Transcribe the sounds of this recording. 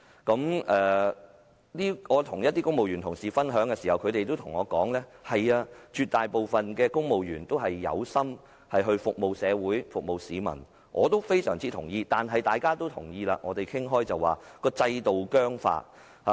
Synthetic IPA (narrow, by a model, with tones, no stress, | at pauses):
kɐ˨˥mʔɛː˨ | liː˥ŋɔː˨˧t̪ʰʊ˨˩ŋjɐ˥t̪̚iː˥kʊ˥ŋmo˨wjyː˨˩nt̪ʰʊ˨˩ŋsiː˨˩fɐ˥nɦœː˨˥ŋkɛː˧siː˨˩hɐ˨˩wkʰɵ˨˧ɥɾe˨jt̪̬o˥wt̪ʰʊ˨˩ŋɔː˨˧kɔː˨˥ŋlɛː˥hɐ˨jaː˧t͡ʃyː˧t̚t̪aː˨jpo˨wfɐ˨nkɛː˧kʊ˥ŋmo˨wjyː˨˩nt̪o˥wɦɐ˨jːɐ̰˨˧wsɐ˥m | hɐ˨jɦɵ˧ɥfʊ˨k̚mo˨wsɛː˨˧wuː˨˥jfʊ˨k̚mo˨wsiː˨˧mɐ̰˨˩n | ŋʔɔ̰ː˨˧t̪o˥wfe˥jsœ̰ː˨˩ŋt͡siː˥t̪ʰʊ˨˩ŋjiː˧t̪aː˨nɦɐ˨jt̪aː˨jkaː˥t̪o˥wt̪ʰʊ˨˩ŋjiː˧la̰ː˧ŋɔː˨˧t̪e˨jkʰɪ˥ŋɦɔː˥jt͡sɐ˨˩wːaː˨˩kɔː˧t͡sɐ˧jt̪o˨wkœː˥ŋfa̰ː˧˥t̚ | ha˨˧